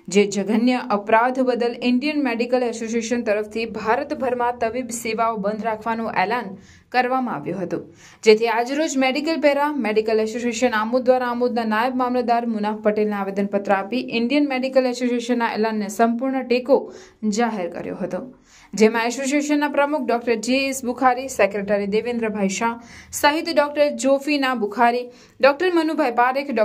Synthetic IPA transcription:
d͡ʒed͡ʒəɡənjəʔəpɾad̪ʱbəd̪əlɪɳɖijənmeɖikəlɛsosieʃənt̪əɾəft̪ʰibʱaɾət̪bʱəɾmãt̪əʋibseʋaobə̃nd̪ʱɾakʰʋanũʔɛlan | kəɾʋamãa̰ʋjũɦət̪ũ | d͡ʒet̪ʰiad͡ʒɾod͡ʒmeɖikəlpeɾameɖikəlɛsoseʃənamud̪ʋaɾaːmud̪nanajəbmamləd̪aɾmunafpəʈelnaaʋed̪ənpət̪ɾəapiʔɪɳɖijənmeɖikəlɛsosieʃənːaḛlanːesəmpuɾɳəʈeko | d͡ʒaɦeɾkə̰ɾjo̰ɦət̪õ | d͡ʒemãɛsos̬ieʃənːapɾəmuk̚ʰɖɔkʈəɾd͡ʒeesbukʰaɾisekɾeʈaɾid̪eʋẽnd̪ɾəbʱajʃãsəɦit̪ɖɔk̚ʈəɾd͡ʒofinabukʰaɾi | ɖɔk̚ʈəɾmənubʱajpaɾekʰɖ

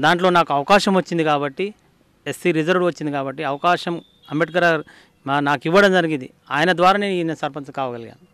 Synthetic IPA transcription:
d̪aːɳʈlo̞ːnaːkuɐʋɐkaːʃɐmʋɐt͡ʃːind̪ikaːbɐʈːi | esːiɾizɐɾɖʋɐt͡ʃːind̪ikaːbɐʈːiɐʋɐkaːʃɐm | ɐmbeʈ̚ɡɐɾaɾ | anaːkiʋːɐɽɐmd͡ʒɐɾiɡind̪i | aːjɐnɐd̪ʋaːɾaːne̞ːninesɐɾpɐnskaːʋɐɡɐliɡa̰ːn

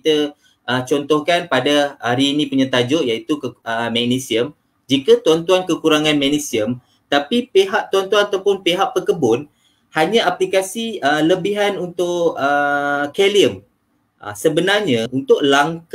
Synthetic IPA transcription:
t̪ə | ʔət͡ʃɔnt̪ɔhkanpadaaɾiːnĩpuɲat̪ad͡ʒɔʔjait̪ukəəmɛk̚nisiəm | d͡ʒikət̪uant̪uankəkuɾaŋãnmɛnisiəm | t̪apipeɦaʔt̪uant̪uanat̪awpʊnpeɦaʔpəkəbʊn | haɲãaplikasiələbiɦanunt̪ʊʔəkeliəm | ə̰səbənarɲə̃unt̪ʊʔ̚laŋk

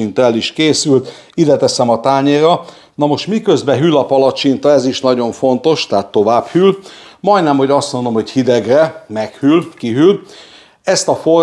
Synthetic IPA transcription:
int̪ɛliʃkeːsylt̪ | id̪ɛt̪ɛsɛmɒt̪aːɲeːɾɒ | nɒmo̞ʃt̪mikøzbɛɦylːɒpɒlɒt͡ʃint̪ɒɛziʃnɒɟo̞ɱfo̞nt̪o̞ʃt̪ɛɦat̪ːo̞vaːbhylmɒj̪nɛmho̞ɟɒst̪mond̪o̞mho̞chid̪ɛɡrɛmɛkhylkiɦyl | ɛst̪ɒfor

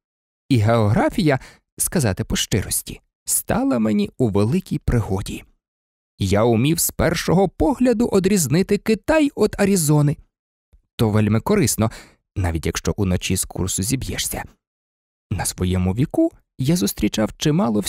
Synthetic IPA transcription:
iɦeɔɦɾɑfʲijɐ | skɐzɑt̪ɪpɔʃt͡ʃɪɾɔsʲtʲi̥̰ | st̪ɑlˠɐmenʲiuʋelˠɪkʲijpɾɪɦɔdʲi | jaʊmʲiwspɛrʃɔɦɔpɔɦlʲɐd̪ʊʔɔd̪ɾʲiznɪt̪ɪkɪt̪ɑjɔd̪ɐɾʲizɔnɪ | t̪ɔʋɛlʲmɪkɔɾɪsnɔ | nɑ̰ʋʲitʲjɐkʃt͡ʃɔʔunɔt͡ʃiskʰṵrsʊzʲibjɛ̰ʂsʲɐ̰ | nɐsʋɔjɛmʊʋʲiku | jazʊst̪ɾʲit͡ʃɑwt͡ʃɪmɑlˠɔw

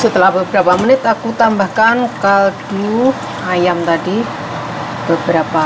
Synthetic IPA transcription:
sət̪əlahbəbəɾapamənɪt̪akut̪ambahkankald̥u | ajamt̪adi | b̥əbəɾapa

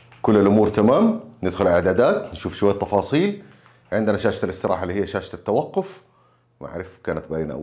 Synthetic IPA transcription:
kʊlːalʔʊmuːɾt̪amaːmnɪd̪xʊllaʕd̪aːd̪aːt̪nʃuːfʃʊwajːat̪ːɑfɑːsˤiːl | ʕɪnd̪ɪnaʃaːʃḁt̪alɪst̪ɪɾˤʔɑ̰ːħalːiːhijːaʃaːʃḁt̪at̪ːawɑqːʊf | mʔa̰ʕɾɪfkaːnat̪̚baiːna̰ʔ

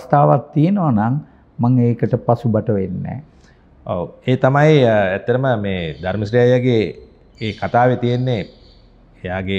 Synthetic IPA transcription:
st̪aːʋat̪ːijenoʋanaŋ | maŋeːkəʈəpasubaʈəʋenːɛ̰ː | o̰weːt̪amajæt̪ːəɾəməmeːd̪aɾməsɾijajːaɡe | eːkat̪aːʋet̪ijenːe | ejaːɡe

